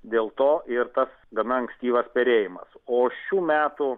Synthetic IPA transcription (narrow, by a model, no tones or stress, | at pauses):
d̪ʲeːlˠt̪oːʔɪrt̪ɐsɡɐnɐɐŋksʲt̪ʲiːʋɐspʲɛɾʲeːjɪmɐ̰soːʃʲuːmʲæːt̪ʊ